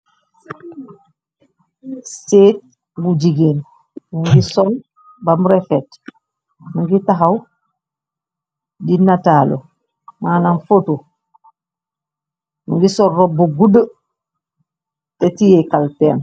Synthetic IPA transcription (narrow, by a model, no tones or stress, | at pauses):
seːt̚ | bud͡ʒiɡeːn | muŋɡisɔl | bamuɾefɛt | muŋɡitaɦaw | dinataːlo̰ | mananfotu | muŋɡisɔlɾobuɡudə | tetijekalteːn